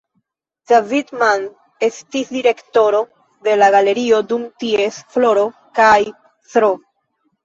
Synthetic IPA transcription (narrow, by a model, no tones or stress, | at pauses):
d̥avidman | e̞stisdiɾe̞kto̞ɾo̞ | de̞laɡale̞ɾio̞dumtie̞sflo̞ɾo̞ | kaj | sɾo